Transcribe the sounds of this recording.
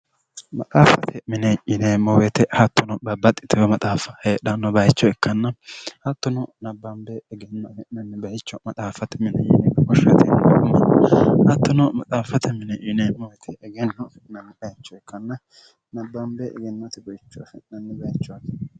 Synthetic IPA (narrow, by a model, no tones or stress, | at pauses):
mɐt̪ʼaːfɐt̪ʰɛmɪnɛʔɪnemɔwɛt̪ɛhɐt̪ːɔnɔbɐbːɐt̪ʼːɪ̥t̪ʰɛwɛmɐt̪ʼaːfɐheːɗɐnːɔbɐjt͡ʃːɔɛkːɐnːɐhɐt̪ːɔnɔnɐbːɐmbeɡɛnːɐmɛnɐnːɛbɐjɪt͡ʃːɔmɐt̪ʼaːfɐt̪ɛmɪnɛ̰jɪ̰nɛkɔʃɐt̪ʰɛnɐkʊmɐnhɐt̪ːɔnɔmɐt̪ʼaːfɐt̪ʰɛmɪnɛʔɪneːmɔwɛt̪ʰɛɛɡɛnːɔfɛnɐnːɛᶑɐjɪt͡ʃːɔɛkʰːɐnːɐ | nɐbːɐmbeɛɡɛnːɐt̪ɛbɔjɪt͡ʃːɔfɛnɐnːɛbɐjɪt͡ʃːɔak